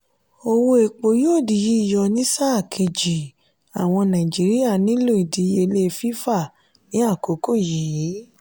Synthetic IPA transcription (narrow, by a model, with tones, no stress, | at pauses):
o˧wo˧e˨k͡po˨jo˦o˦˨di˨ji˨˦i˦˨jɔ˧nĩ˦sa˦˨kʰe˧˨d͡ʒi˨ | a˨w̃ɔ̃˧nã˨d͡ʒi˨˦ɾi˦ja˦˨nĩ˨˦lo˦˨i˨di˨˦je˧le˧fi˦fa˦˨ | nĩ˨˦a˦˨ko˨˦ko˦˨ji˨ji˨˦